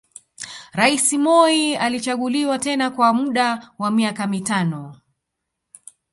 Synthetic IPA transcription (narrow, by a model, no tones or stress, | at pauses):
ɾaisimɔialit͡ʃaɠuliwatɛnakwamuɗawamiakamitanɔ